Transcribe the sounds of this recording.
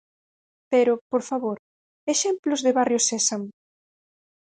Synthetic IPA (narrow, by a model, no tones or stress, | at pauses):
peɾʊpoɾfaβoɾ | eʃemplʊzðɪβarjosesaŋ